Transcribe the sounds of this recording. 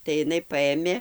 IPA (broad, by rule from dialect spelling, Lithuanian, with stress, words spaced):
tɐɪ ɪˈnɐɪ ˈpɐeːmʲeː